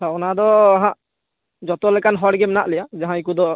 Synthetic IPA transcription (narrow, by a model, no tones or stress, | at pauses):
saɔnad̪ɔɦãʔ | d͡ʒɔt̪ɔlɛkanɦɔɽɡɛmɛna̰ʔlɛjad͡ʒaɦãikud̪ɔ